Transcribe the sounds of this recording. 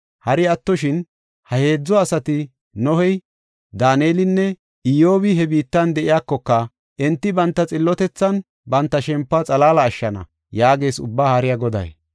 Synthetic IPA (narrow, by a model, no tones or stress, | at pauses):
hɐɾɪɐt̪ːɔʃɪn | hɐhe̞ːd͡zːɔɐsɐt̪ɪ | nɔhɛj | d̪aːneːlɪnːɛ | ɪjo̞ːbɪɦɛbiːt̪ːɐnd̪ɛʔɪjakːɔkːɐ | ʔɛnt̪ːɪbɐnt̪ːɐt͡sʼɪlːɔt̪ɛt͡sːɐn | bɐnt̪ːɐʃɛmpːɐt͡sʼɐlaːlɐːʃːɐnɐ̰ | jaːɡe̞ːsʊ̰bːaːhɐɾɪjɐɡɔd̪ɐ̰j